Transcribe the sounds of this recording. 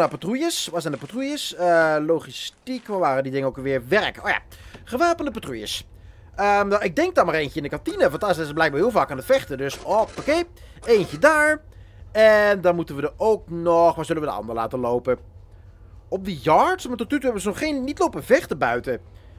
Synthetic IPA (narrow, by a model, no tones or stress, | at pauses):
apatrujəsʋasɛndəpatrujəsəlowχistikʋaʋaːrədidɪŋənowkʋɪːɹʋɛrkəoja̰ | χəʋaːpəndəpatrujə̰s | əaʔɪɡ̚dɛŋk̚dɑnmaːrejntjəɪndəkɑntinəʋɑntɑsblɛjɡ̚baːɦiːlˠvaːkaːnɦətfɛχtədɵsopakejejnçədaːɹ | ɛndɑnmutənʋədəowk̚nɔχʋazʏlənʋədəɑ̰ndəɹla̰ːtəlowpə | ɔp̚dəjɑɹtsmaɹtɔtytɦɛbənzənɔχːejnːitlowpəndəvɛχtəbœɥtə